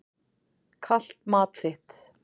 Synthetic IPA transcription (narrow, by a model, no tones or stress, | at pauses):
kʰal̥t̪̚maːt̪θɪht̪